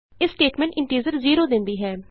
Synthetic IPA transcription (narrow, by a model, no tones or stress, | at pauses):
ɪsːʈeːʈmɛ̃ɳʈɪ̃ɳʈiːzəɾziːɾod̪ɪ̃nd̪iːɦɛː